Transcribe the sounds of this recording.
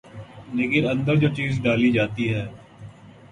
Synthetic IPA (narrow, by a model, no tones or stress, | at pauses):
nɪɡɪɾə̃nd̪əɾd͡ʒoːt͡ʃiːzɖaːliːd͡ʒaːt̪iɦɛː